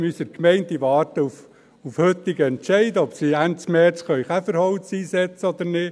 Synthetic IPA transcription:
mysəɾkmɛɪntd̪iʋɑːɾtəuf | ufhʏt̪ːɪɡəɛnʃɛɪd̪əɔpsiæntt͡smɛt͡sχœʏχæfəɾhɔwt͡siːsɛt͡səɔd̪ənɪ

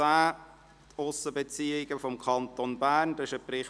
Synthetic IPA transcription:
aː | t̪ʊsəbet͡siɪɡ̥əfɔmkʰɑntonbæːnd̥ɪʃəpɾɪχ

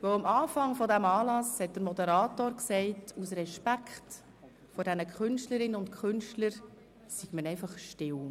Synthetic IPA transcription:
vœʊəmɑːfɑŋfɔdæmɑːlɑshɛt̚d̥əɾmɔdəɾɑːtoːɾksɛɪtusɾɛʃpækχt | fɔdɛnəkʰχʏnʃtləɾɪnəʊntkʰχʏnʃtləɾ | siɡ̥mənɛɪfɑχʃtɪl

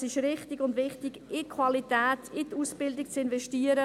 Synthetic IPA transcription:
sɪʃɾɪχtɪɡʊndʋɪχtɪɡɪkʰvalitɛːtʰɪtuːsb̥ɪldɪk̚t͡sɪnvɛʃtiːəɾə

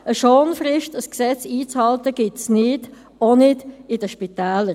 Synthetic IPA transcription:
əʃoːnfrɪʃtəsksɛt͡siːt͡shɑltəɡ̥ɪtsnɪd | onɪdɪd̥əʃpitɛːləɾ

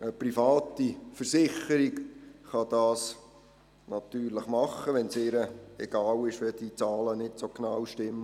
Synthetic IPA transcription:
əprifɑːt̪ifəɾsɪχəɾiɡχɑd̥ɑːs | nɑt̪yːɾləχmɑχːəʋɛnsɪːɾəɛɡ̥ɑːwɪʃʋɛd̥it͡sɑːlənɪtsoknɑwʃtɪmː

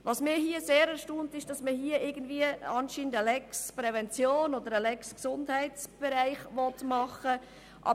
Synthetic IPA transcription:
ʋɑsmɪːhiəseːɾɛɾʃtuːntɪʃd̥ɑsməhiəɪɡən̩dviəɑnʃiːndəlɛkspɾɛvɛnt͡sjoːnɔd̪əɾəlɛksksʊndhæɪt͡sb̥ɛɾæɪχʋɔtmɑχə | ʔɑ̰

